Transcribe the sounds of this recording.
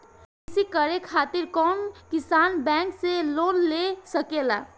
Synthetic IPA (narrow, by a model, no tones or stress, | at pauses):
isikəɾekʰat̪iɾkɔmkisanbɛ̃ŋkselonlesəkela̰